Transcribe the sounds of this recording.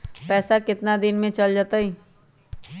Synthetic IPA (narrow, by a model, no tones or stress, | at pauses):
pɛːsakɪt̪nad̪ɪnmẽt͡ʃɐld͡ʒaːt̪aiː